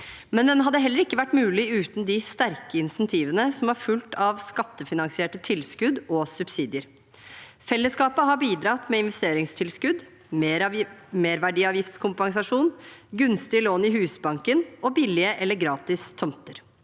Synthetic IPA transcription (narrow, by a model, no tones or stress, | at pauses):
mɛnd̪ɛnɦɑd̪ːəɦɛlːəɾɪkːəʋæʈːmʉːlɪʉːt̪n̩d̪ɪst̪æɾkəɪnsɛnt̪ʰiːʋənəsɔmɑɾfʉlt̪ʰɑʋskɑt̪ːəfɪnɑŋsɪeːʈət̪ʰɪlskʉd̪ɔsʉbsiːd̪ɪəɾ | fɛlːəskɑːpəɦɑɾbiːd̪ɾɑt̪mɛɪnʋɛst̪eːɾɪŋst̪ʰɪlskʉd̪ | m | meːɾʋæɖiːɑːʋjɪft̪skʰʊmpɑŋsɑʂuːnɡʉnst̪ɪloːnɪhʉːsbɑŋkənɔbɪlːɪəʔɛlːəɾɡɾɑːt̪ɪst̪ʰɔmt̪əɾ